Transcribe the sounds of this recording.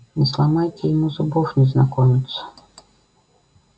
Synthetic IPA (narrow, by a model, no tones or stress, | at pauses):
neslˠɐmɑjt̪ʲɛjmuzʊbɔfnʲiznɐkɔmʲɪt̪sʲɐ̥